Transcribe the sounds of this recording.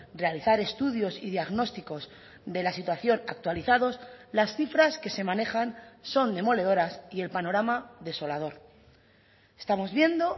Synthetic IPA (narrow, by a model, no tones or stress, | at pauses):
re̞aliθaɾe̞st̪uðjo̞siðiaɣno̞st̪iko̞z | d̪e̞lasit̪waθjo̞na̰k̚t̪waliθaðo̞slasθifɾaske̞se̞mãne̞xanso̞nd̪e̞mo̞leðo̞ɾasie̞lpano̞ɾamaðe̞so̞lað̞o̞ɾ | est̪amo̞zβje̞nd̪o̞